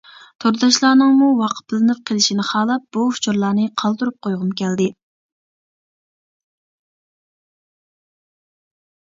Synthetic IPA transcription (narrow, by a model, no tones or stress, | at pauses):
t̪ʰoɾd̪ɑʃlˠɑːnɨŋmuwɑqʰə̥t̪̚bɪlɪnɪp̚qʰəlˠɪʃinɪχɑːlˠɑp̚b̥uu̥t͡ʃʰuɾlˠɑːnɨqʰɑlˠd̪uɾup̚qʰojʁʊmkʲɛld̪ɪ